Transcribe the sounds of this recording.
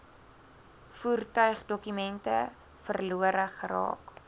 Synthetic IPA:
fuːrtœɥχdɔkymɛntə | fərluəɾəχəɾɑ̰ːk

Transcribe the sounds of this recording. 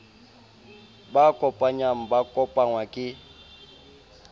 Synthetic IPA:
bakʼɔpʼaɲam̩bakʼɔpʼaŋwakʼɪ

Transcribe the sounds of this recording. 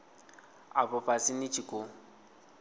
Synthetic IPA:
a̰pɔpʼasɪnɪt͡ʃʼikʼʊ

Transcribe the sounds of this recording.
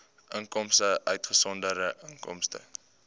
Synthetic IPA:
ʔəŋkɔmsəʔœɥtχəsɔndəɾəʔəŋkɔ̰mstə̰

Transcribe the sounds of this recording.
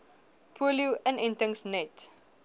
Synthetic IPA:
pʰuəljuʔənɛntəŋsnɛt

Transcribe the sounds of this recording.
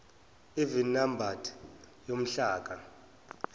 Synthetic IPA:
ivinnːambʱatʰʼ | jom̩ɬaːk̬ʼa

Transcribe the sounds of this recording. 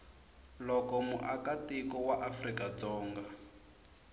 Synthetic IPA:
lɔkɔmṵʔakatikɔwaʔafrikad͡zɔːŋɡa

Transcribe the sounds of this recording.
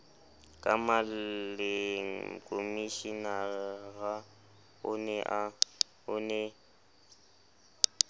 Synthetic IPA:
kʼamallɪŋkʼomiʃinaɣa | ʊnɛʔa | ʊnɛ

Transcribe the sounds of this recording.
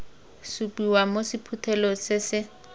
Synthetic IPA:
supiwamosipʰutʰɛlɔsɪsɪ

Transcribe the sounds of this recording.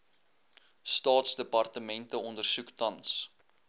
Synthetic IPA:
stɑːtsdəpɐrtəmɛntəɔndərsuktɐns

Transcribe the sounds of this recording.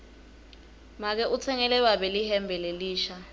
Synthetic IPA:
mak̬ɛʔut͡sʰɛŋɛlɛɓaɓɛlihɛmbʱɛleliːʃa

